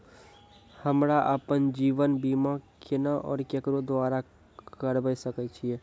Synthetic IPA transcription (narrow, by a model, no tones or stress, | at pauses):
həmɾaʔəpənd͡ʒiːʋənbimakenəʔɔ̰ːɾkekɾod̪ʋaːɾa | kkəɾbəjsəkɛt͡ʃʰie